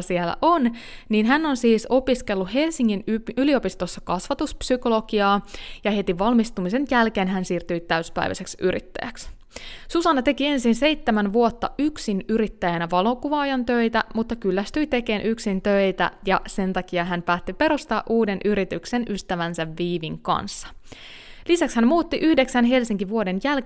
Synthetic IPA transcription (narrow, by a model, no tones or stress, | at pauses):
siɛlːæ̰ʔo̞nniːnɦæno̞nsiːso̞piske̞lːuhe̞lsiŋːinyylio̞pist̪o̞sːɑkɑsʋɑt̪uspsyko̞lo̞ɡiɑːjɑhe̞t̪iʋɑlmist̪umise̞njælkeːnɦænsiːrt̪yjt̪æyspæ̰jʋæ̰seksyɾḭt̪ːæ̰jæ̰ks | susɑnɑt̪e̞kie̞nsinsejt̪ːemænʋuot̪ːɑʔyksinyɾit̪ːæjænæʋɑlo̞kuʋɑːjɑnt̪øjt̪æmut̪ːɑkylːæst̪yjt̪e̞ke̞ːnʔyksint̪ø̞it̪æ̰jɑse̞nt̪ɑkiɑɦænpæːt̪ːipe̞ɾost̪ɑːʔuːde̞nʔyɾit̪yksenʔyst̪æʋænsæʋːiːʋiŋkɑ̰nsːɑ̥ | lisækshænmuːt̪ːiʔyhde̞ksænɦe̞lsiŋkiʋuo̞de̞njæl